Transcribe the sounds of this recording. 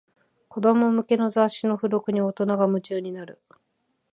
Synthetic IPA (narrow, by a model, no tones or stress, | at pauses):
ko̞d̪o̞mo̞mɯ̟ke̞no̞zaɕino̞ɸɯ̟ɾo̞kɯ̟ɲ̟io̞t̪o̞naɡamɯ̟t͡ɕɨːɲ̟inaɾɯ̟